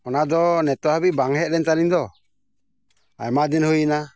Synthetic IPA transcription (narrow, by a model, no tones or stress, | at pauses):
ɔnad̪ɔnɛt̪ɔhabibaŋɦɛʔ̚ɾɛnt̪alind̪ɔ | a̰jmad̪ɛnhujna